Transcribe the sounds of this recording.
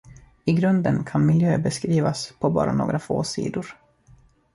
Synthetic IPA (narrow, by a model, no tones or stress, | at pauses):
ɪɡɾɵnd̪ənkʰanmɪljøːbɛskɾiːvaspʰɔbɑ̰ːɾʔanoːɡɾafoːsḭːd̪ʊɾ